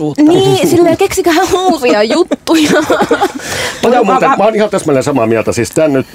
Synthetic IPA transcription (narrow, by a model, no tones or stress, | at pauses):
niːsilʋiælkeksikæːæhuːriɑjut̪ːujɑ | pɑjɑmuːt̪emɑonihɑnt̪æsmonʲesɑmɑːmiælt̪æsiːst̪ænnyt̪